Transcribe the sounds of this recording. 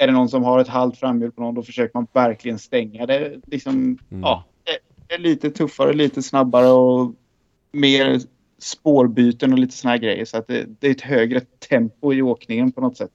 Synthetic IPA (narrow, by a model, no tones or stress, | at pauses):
æɖɛnɔns̬ɔmɦaɾɛt̪ɦalt̪fɾamːjʉːɖ̚pʰɔnɔnd̪ɔfə̥ʂøːkəɾmanvæɾklɪɡənst̪ɛŋːad̪ɛlɪksɔmɑːd̪ɛ | d̪ɛːɭiːt̪ət̪ʰɵfːaɾəliːt̪əsnabːaɾəɔ | meːɾ | spoːɾbyːt̪ənɔliːt̪əsɔnahæːɾɡɾɛ̰jːəɾʂɔat̪̚d̪ɛ̰d̪ɛæɾɛt̪ɦøːɡɾət̪ʰɛmpʊɪoːknɪŋənpʰɔnɔt̪sɛt̪ː